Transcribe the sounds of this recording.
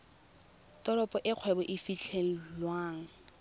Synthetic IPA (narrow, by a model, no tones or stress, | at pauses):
tɔɾɔpʼɔʔɪq͡χʰwɛbɔʔɪfit͡ɬʰeŋ̩lwaːŋ̩